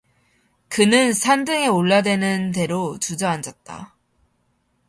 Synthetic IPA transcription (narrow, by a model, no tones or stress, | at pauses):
kɯnɯnsʰandɯŋe̞oɭːadwe̞nɯnt̬e̞ɾot͡ɕud͡ʑʌand͡ʑʌt̚t͈a̰